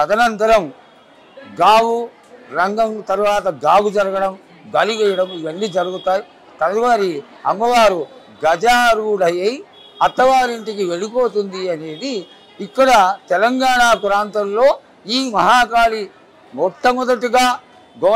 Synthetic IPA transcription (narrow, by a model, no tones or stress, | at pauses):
ɐd̪ɐnɐnt̪ɐɾɐm | ɡaːwu | ɾɐŋɡɐmt̪ɐɾuʋaːt̪ɐɡaːɡud͡ʒɐɾɐɡɐɽɐm | ɡɐlikɛjɐɽɐmiʋɐnːid͡ʒɐɾuɡut̪aːji | t̪ɐlʋaːɾi | ɐŋɡɐʋaːɾu | ɡɐd͡ʒaːɾuːɽɐjɐj | ɐt̪ːɐʋaːɾiɳʈikiʋe̞ɭipo̞ːt̪und̪iɐne̞ːd̪iː | kːɐɽɐt̪ɛlɐŋɡaːɳaːkuɾaːnt̪ɐmlo̞ː | iːmɐɦaːkaːli | mɔʈʰːɐmɔd̪ɐʈiɡaː | ɡɔ